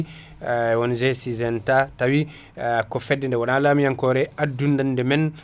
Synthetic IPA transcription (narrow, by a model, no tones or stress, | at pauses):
wɔnd͡ʒɛsizɛntatawi | kɔfɛdːɛndɛwɔnalaːmijaŋkɔɾɛadundandɛmɛn